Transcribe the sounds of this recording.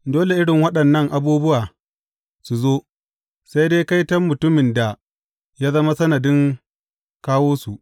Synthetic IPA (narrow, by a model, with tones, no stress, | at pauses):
doː˦le˨ʔɪ˦ɽɪ˨ŋwɐ˦ɗɐ˨nːɐ˦ŋʔa˨buː˦bʊ˦waː˨ | su˨zoː˦ | sa˦jdeː˦jka˦jtɐ˦mːʊ˨tʊ˦mɪ˨nda˨ | jaː˦zɐ˦ma˦sɐ˦nɐ˨dɪ˦ŋ | kaː˦woː˦su˨ʔ